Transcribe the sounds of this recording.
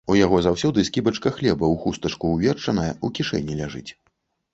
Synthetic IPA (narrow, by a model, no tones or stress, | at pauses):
ujaɣɔzawsʲɔd̪ɨskʲibɐt͡ʂkɐxlʲɛbɐwxust̪ɐt͡ʂkuwvʲɛrt͡ʂɐnɐjɐukʲiʂɛ̰nʲːilʲaʐɨ̰t͡sʲ